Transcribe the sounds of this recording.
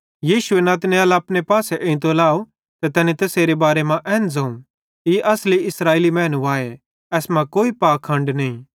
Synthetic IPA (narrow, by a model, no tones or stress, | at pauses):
jiːʃʊenɐ̃t̪̬ɪnẽɐːlaɐpñepaːseʔẽĩt̪oːlaːo | t̪at̪ɛːnit̪ɐseːɾebaːɾemãʔɛːnd͡zɐ̃ũ | iʔɐsliɪsɾaːeːlimɛːnuʋaːe | ɛːsmãkoːipaːkʰːɐ̃ɳɖnɐĩ